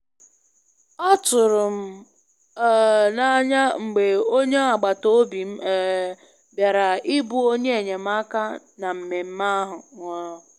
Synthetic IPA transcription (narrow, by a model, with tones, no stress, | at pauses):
ɔ˦tʊ˨ɾʊ˨m̩˦ | na˦ɲa˦ŋ͡m̩˨ɡ͡be˨o˦ɲe˦a˨ɡ͡ba˨to˦bi˨m̩˦˨ | bja˨ɾa˨ɪ˦bu˨o˦ɲe˦e˨ɲe˨m̩˦a˦ka˦ | na˨m̩˨me˨m̩˦ma˦ɦʊ˨ŋʷɔ˦ɾɔ˦